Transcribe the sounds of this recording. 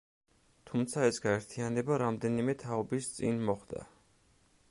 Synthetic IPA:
t̪ʰumt̪sʰaɛsɡaɛɾt̪ʰianɛbaɾamd̪ɛnimɛt̪ʰaɔbist̪sʼḭnmɔχd̪a̰

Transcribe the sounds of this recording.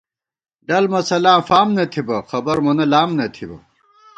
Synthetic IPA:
ɖɐlmɐsɐlaːfaːmnɐt̪ʰibɐxɐbɐɾmɐnɐlaːmnɐt̪ʰibɐ̰

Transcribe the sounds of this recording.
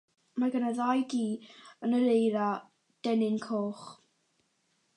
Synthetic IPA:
maɡanəðajdiːənəɾejɾa | d̥ɛnɪŋkʰoːχ

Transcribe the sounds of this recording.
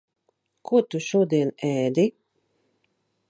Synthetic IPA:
kʰuɔt̪uʃuɔd̪iɛnɛːd̪i

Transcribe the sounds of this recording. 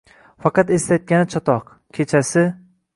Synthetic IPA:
fɑqɑt̪est̪at̪̚kʲanɪt͡ʃʰɒt̪ʰɒq | kʲʰe̞t͡ʃʰasɪ

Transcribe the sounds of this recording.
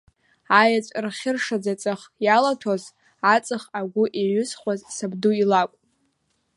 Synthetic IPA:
ajat͡sʷʼrχʲɪrʂad͡zat͡sʼɨχjalatʰoz | at͡sʼɨχaɡʷʊʔeɥʷʊsχʷazsabduilakʷʼ

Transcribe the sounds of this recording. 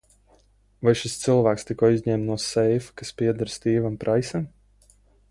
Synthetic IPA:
vajʃist̪sɨlˠvæːkst̪ikɔːizʲɲɛːmt̪nuɔsɛjfkaspiɛd̪aɾst̪iːvampɾʔajsɛm

